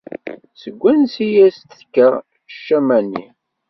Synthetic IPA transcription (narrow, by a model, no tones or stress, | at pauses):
səɡʷːænsijæst̪θkːəɾˤ | ʃːæmænːḭ